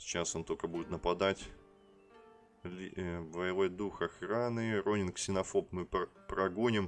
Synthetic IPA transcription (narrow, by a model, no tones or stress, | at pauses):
sʲt͡ɕaso̞nt̪okəbudʲɪt̪nəpɐd̪atʲ | lʲvəjɪvo̞jd̪uxɐxɾanɨro̞nʲɪnksʲɪnɐfo̞pmɨpɾɐɡonʲɪm